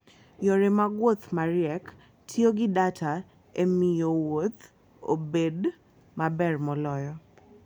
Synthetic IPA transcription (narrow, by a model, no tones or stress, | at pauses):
joɾemaɡwot̪maɾjɛk | tʰjoɡɪdatʰa | emijowot̪ | o̰bed | mabɛrmɔlɔjɔ